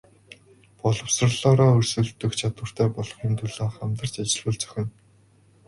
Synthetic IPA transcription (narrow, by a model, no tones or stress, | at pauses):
pɔɮɞ̆wsrə̆ɮɔːɾɔːɵrsɵ̆ɮt̪ɵ̆kt͡ɕʰat̪wə̆r̥t̪ʰæːpɔɮɞ̆χiːnt̪ʰɵɮaːχamt̪ə̆r̥t͡ɕat͡ɕɪ̆ɮpə̆ɮt͡sœ̥xʲɪ̆n